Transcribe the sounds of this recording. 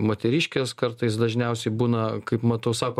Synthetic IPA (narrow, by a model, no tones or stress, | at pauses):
moːt̪ʲɛɾʲiːʃʲkʲeːskɐrt̪ɐɪs̬d̪ɐʒʲnʲɛʊsʲɛɪbuːnɐkɐɪpmɐt̪ɐʊsɑːkoː